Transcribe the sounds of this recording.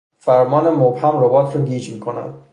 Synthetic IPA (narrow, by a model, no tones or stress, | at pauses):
fæɾmɒːnemobhæmɾobɒːt̪ʰɾɒɡiːd͡ʒmiːkʰonæ̰nd̪̥